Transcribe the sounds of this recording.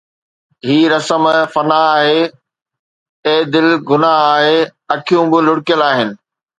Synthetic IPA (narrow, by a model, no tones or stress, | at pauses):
ɦiːɾɐsəmfɐnaːɦe | ẽːd̪ɪlɡʊnaaːɦeɐkʰijũbɪlʊɽkjəlaːɦɪnɪ̆